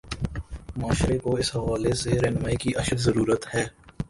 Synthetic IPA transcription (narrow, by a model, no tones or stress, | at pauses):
maːʃɾekoɪsɦɐʋaːleseɾɛːnmaːikiʔɐʃəkzəɾuːɾət̪hɛː